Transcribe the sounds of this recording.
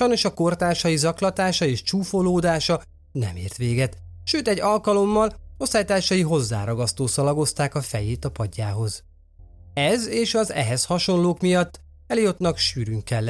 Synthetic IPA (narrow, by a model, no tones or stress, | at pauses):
ʃɒjno̞ʃɒko̞rt̪aːʃɒjizɒklɒt̪aːʃɒeːʃt͡ʃuːfo̞loːd̪aːʃɒ | nɛ̰miːrt̪ʋeːɡɛt̪ | ʃøːt̪ɛɟːɒlkɒlo̞mːɒlosaːjt̪aːʃɒjiɦo̞zːa̰ːɾɒɡɒst̪oːsɒlɒɡo̞st̪aːkɒfɛjeːt̪ɒpɒɟːaːɦo̞z̥ | ɛzeːʃɒzɛ̰ɦɛshɒʃo̞nloːkmijɒt̪ː | ɛljø̞t̪nɒkʃyːɾyŋkːɛlːɛ